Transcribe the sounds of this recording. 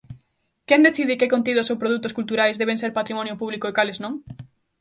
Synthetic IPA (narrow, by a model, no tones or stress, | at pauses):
kɛnd̪eθiðɪkɪkõnt̪̬iðʊsowpɾoð̞ut̪ʊskult̪uɾajzðeβ̞ẽŋseɾpat̪ɾimɔnjopuβlikoekalɪznõŋ